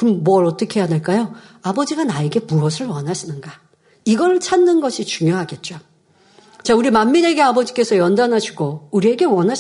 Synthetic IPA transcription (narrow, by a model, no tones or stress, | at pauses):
kɯʌmmwʌɾʌt͈ʌkʰe̞jade̞ɭk͈ajo | abʌd͡ʑiɡanaeɡe̞muʌsʰɯɭwʌnɦaɕʰinɯnɡa | iɡʌɾt͡ɕʰanːɯnɡʌɕʰit͡ɕuŋjoɦaɡe̞t̚t͡ɕ͈o | t͡ɕauɾimamːine̞ɡe̞abʌd͡ʑik͈e̞sʰʌjʌndanɦaɕʰuɡouɾie̞ɡe̞wʌnɦa